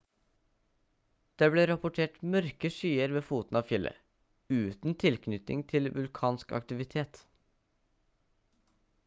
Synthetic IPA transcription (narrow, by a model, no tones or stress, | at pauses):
d̪̥eːbleːɾɑpʊʈʰeːʈmœɾkəʃyːəɾʋeːfuːt̪n̩ɑːʋfjɪlʔə̰ | ʉːt̪n̩t̪ʰɪlknʏt̪ɪ̰ŋt̪ʰɪlʋʉlkʰɑːnskɑ̰kt̪ɪʋɪt̪ʰeːt̪